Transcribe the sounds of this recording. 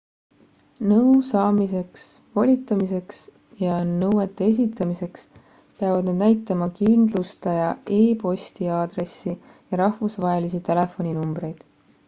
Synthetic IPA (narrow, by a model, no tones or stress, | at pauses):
nɤuwsɑːmise̞ksvolʲit̪ːˑɑmise̞ks | jɑnɤwet̪ːˑees̬ʲit̪ːˑɑmise̞ks | peɑvɑd̪ned̪næjt̪ːˑɑmɑkind̪̥lust̪ɑjɑe̞ːpo̞sʲt̪iɑːd̪̥re̞sːi | jɑɾɑhvusvɑɦe̞lisit̪e̞le̞fo̞nʲinumbɾe̞jd̪̥